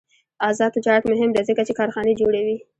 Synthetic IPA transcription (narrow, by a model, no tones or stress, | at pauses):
ɑzɑd̪d͡ʒɑk̪mʊɦɪmd̪azəkat͡ʃekɑɾxɑned͡ʒoɽawi